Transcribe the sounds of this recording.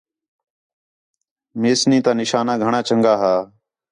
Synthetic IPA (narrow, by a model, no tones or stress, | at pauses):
meːsnĩːt̪aːnɪʃaːnãːɡʱəɳaːt͡ʃəŋɡaːɦaː